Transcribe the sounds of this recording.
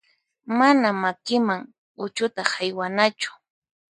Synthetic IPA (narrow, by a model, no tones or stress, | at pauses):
manamakɪmaŋ | ʊt͡ʃʊt̪aχajwanat͡ʃʊ̥